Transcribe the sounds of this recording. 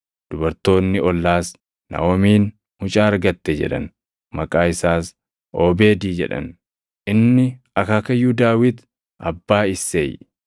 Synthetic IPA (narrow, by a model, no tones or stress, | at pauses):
d̪̥ʊbɐɾt̪o̞ːnːɪɔlːaːs | nɐ̰wɔmiːn | hʊt͡ʃʼaːɾɡɐt̪ːɛd͡ʒɛ̰ᶑɐ̰n | mɐkʼaːɪsaːs | ʔoːbeːd̪iːd͡ʒɛ̰ᶑɐ̰n | ʔɪnːɪ | ɐkaːkɐjːuːd̪aːwɪt̪ | ʔɐ̰bːaːɪsːḛːj